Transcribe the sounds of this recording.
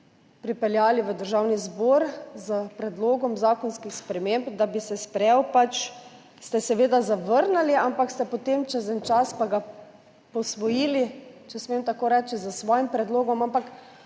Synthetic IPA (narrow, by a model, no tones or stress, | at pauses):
pɾipɛljaːliʋəd̪əɾʒawnizbɔɾzəpɾɛd̪loːɡɔmzaːkɔnskixspɾɛmembd̪abisɛspɾɛwpat͡ʃ | st̪ɛsɛʋeːd̪azaʋəɾnaliampakst̪ɛpɔt̪emt͡ʃəzənt͡ʃaspaɡa | pɔsʋɔjiːlit͡ʃɛsmeːmt̪akoːɾɛːt͡ʃizasʋɔːjimpɾɛd̪loːɡɔmampak